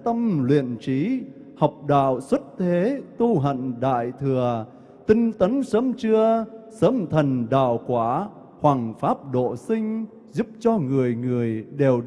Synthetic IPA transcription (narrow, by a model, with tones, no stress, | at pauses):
t̪ə˧mlwḭ˧˨ənt͡ɕi˨˦ | ha˨˩wk͡p̚ɗa̰ː˧˨wswə˦˥t̚t̪ʰe˨˦t̪u˧ɦə̰˧˨ŋɗa̰ː˧˨jt̪ʰɨ˨˩ə | t̪ï˧ŋt̪ə˨˦nsəː˨˦mt͡ɕɨ˧əsəː˨˦mt̪ʰə˨˩nɗa̰ː˧˨wkwaː˧˩ | hwaː˨˩ŋfaː˦˥p̚ɗo̰˧˨sï˧ŋ̟ | zu˦˥p̚t͡ɕɔ˧ŋɨ˨˩əjŋɨ˨˩əjɗe˨˩w